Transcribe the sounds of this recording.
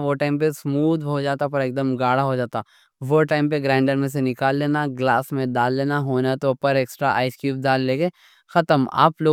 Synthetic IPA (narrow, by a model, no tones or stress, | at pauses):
ʋoʈaːɪmpesmuːd̪ʱɦod͡ʒaːt̪apɐɾeːk̚d̪əmɡaːɽaɦod͡ʒaːt̪aː | ʋoʈaːɪmpeɡɾãːɪ̃ɳɖəɾmẽs̬enɪkaːlːeːnaɡlaːsmẽɖaːlːeːnaɦoːnat̪opɐɾeːksʈɾaʔa̰ːɪskjuːp̚ɖaːlːeːɡe | xɐt̪əma̰ːploː